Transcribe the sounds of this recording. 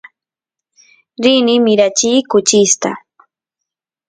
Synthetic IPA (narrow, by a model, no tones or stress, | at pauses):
ɾɪnɪmɪɾat͡ʃiːkʊt͡ʃɪst̪a̰